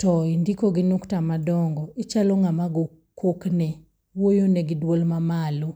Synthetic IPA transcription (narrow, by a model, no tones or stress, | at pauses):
tɔindikoɡinuktamadɔŋɡɔit͡ʃalɔŋamaɡo | koknɛ | wojonɛɡɪdwolmamalu